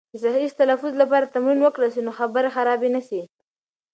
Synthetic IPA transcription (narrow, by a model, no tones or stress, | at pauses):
əsaist̪alafʊzlapɑɾat̪amɾinwəkɽəls̬inoxabəɾaxaɾɑbenasi